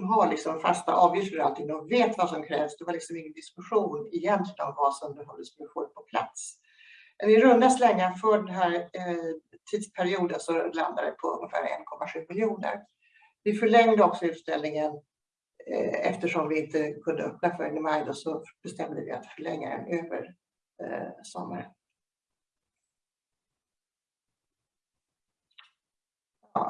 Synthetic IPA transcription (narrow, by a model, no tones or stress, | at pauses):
ɦaɭɪksɔmfast̪a̰ʔɑːvjʏft̪fœɾalt̪ʰɪŋːɔveːt̪vasɔmkʰɾɛ̰ːvsd̪ɛvaɭɪksɔmɪŋːənd̪ɪskɵɧuːnɛjɛnt̪lɪɡənɔmvasɔmd̪ɦɔld̪əsmɛnɪɧuːɾpʰɔpʰla̰t̪s | mɛnɪɾɵnd̪aslɛŋːafœːɖɛnɦæːɾ | t̪ʰiːd̪spʰæɾɪuːd̪ənsɔla̰nd̪ad̪ɛ̰pʰɔɵ̰ŋːəfæ̰ːɾɛ̰nkʰɔmːaɧʉ̟ːmɪljuːnə̰ɾ | vɪfœɭɛŋd̪əɔksɔʉ̟ːt̪st̪ɛlnɪŋən | ɛft̪əʂɔmvɪɪnt̪əkʰɵnd̪əɵpnafœɾɛnɪmajd̪ɔsɔb̥ɛst̪ɛmd̪əvɪ̰a̰t̪fœɭɛŋːa̰ɾɛ̰nøːvə̰ɾ | sɔmːaɾən | ɑ̰ː